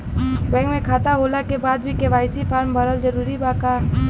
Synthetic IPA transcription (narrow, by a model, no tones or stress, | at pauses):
bɛ̃ːŋkmẽkʰaːt̪aɦoːlakebaːd̪̚bʱikeʋaːɪsipʰaːɾmbəɾəld͡ʒəɾuːɾibaːka